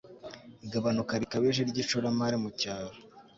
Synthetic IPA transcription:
iɡaβanukaɾikaβeʒeɾɟiʃuɾamaɾemucaːɾo

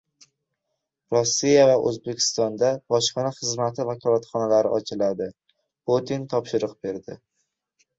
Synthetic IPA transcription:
ɾosːijavaʔɵ̰zbe̞kʲʰɪ̥st̪ɒnd̪ab̥ɒʃqɨnaχɨzmat̪ʰɪvakʰɒlˠat̪χɒnalaɾɪʔɒt͡ʃʰɪlad̪ɪ | pot̪ʰint̪ʰɒpʃɪɾɨq̚be̞ɾd̪ɪ

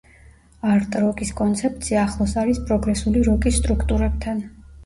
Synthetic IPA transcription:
aɾt̪ʼɾɔkʼiskʼɔnt̪sʰɛp̚t̪sʰiaːχlˠɔsaɾispʼɾɔɡɾɛsuliɾɔkʼisːt̪ʼɾukʰt̪ʼuɾɛb̚t̪ʰan

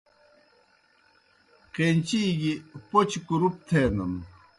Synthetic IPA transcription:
qent͡ɕiɡipot͡ɕkuɾup̚t̪ʰeːnɐn

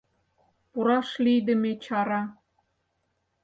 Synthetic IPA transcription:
puɾɑʃlijd̪ə̆met͡ɕɑɾɑ

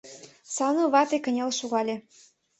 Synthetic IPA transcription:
sɑnoβɑt̪ekə̆nʲelʃuɣɑlʲe

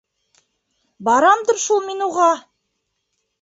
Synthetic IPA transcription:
bɑɾɑmd̪ɤɾʃulˠminuʁɑ

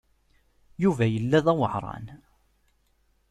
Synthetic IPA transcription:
juvæjəlːæðæwəʕɾˤɑ̰n

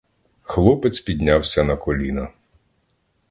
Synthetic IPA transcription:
xlˠɔpɪt̪sʲpʲid̪ʲnʲawsʲɐnɐkɔlʲinɐ

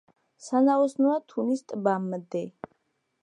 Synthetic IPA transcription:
sanaɔsnuat̪ʰunist̪ʼbamd̪ɛ

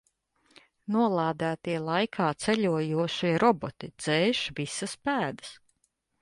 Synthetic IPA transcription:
nuɔlˠaːd̪æːt̪iɛlˠajkʰaːt̪sɛʎʲuɔjuɔʃiɛɾɔbɔt̪id̪z̥ɛːʃvisɐspæːd̪ə̥s

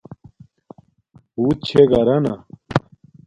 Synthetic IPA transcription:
huːt͡ɕʰeɡɐɾɐna̰

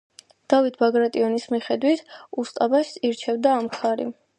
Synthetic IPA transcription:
d̪̥avit̪ʰbaɡɾat̪ʼiɔnismiχɛd̪wit̪ʰust̪ʼabaʃiɾt͡ʃʰɛvd̪aːmkʰaɾḭ

